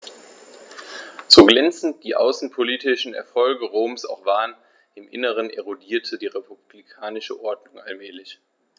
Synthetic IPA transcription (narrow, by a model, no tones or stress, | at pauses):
z̥oːɡlɛnt͡sn̩t̚d̥iːʔa̰ʊsn̩pʰoliːtɪʃn̩ɛ̰ɐfɔlɡəʁoːmsa̰ʊxv̥aːʁən | ɪmʔɪ̰nəʁ̞ənʔeʁodiːɐtʰədiːʁepʰub̥likʰaːnɪʃəʔɔɐdnʊŋa̰lmɛːlɪç